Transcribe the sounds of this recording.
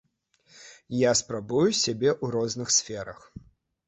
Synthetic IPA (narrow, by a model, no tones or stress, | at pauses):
jaspɾabujusʲabʲɛʔuɾɔznɨxsʲfʲɛɾɐx